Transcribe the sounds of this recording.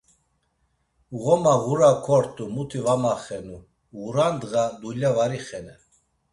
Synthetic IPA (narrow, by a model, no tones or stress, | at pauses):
ɣɔmaɣuɾakʰɔɾt̪ʼumut̪ʰivamaχɛnu | ɣuɾand̪ɣad̪ulavaɾiχɛnɛ